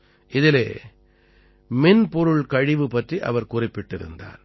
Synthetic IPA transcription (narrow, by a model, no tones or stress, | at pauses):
ʔɪðɪlḛː | mɪnpɔɾɯɭkɐɻɪʋɯpɐʈriʔɐ̰ʋɐɾkʊrɪpːɪʈːɪɾɯ̰nd̪a̰ːɾ